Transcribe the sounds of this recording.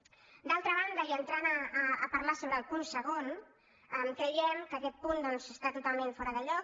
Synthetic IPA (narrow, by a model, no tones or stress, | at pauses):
d̪alˠt̪ɾəβ̞and̪əiənt̪ɾanəːpəɾmasoβɾəlˠpunsəɣon | ɛmkɾəjɛmkəkɛt̪̚pund̪ɔnzəst̪at̪ut̪alˠmẽɱfɔɾəðəʎɔk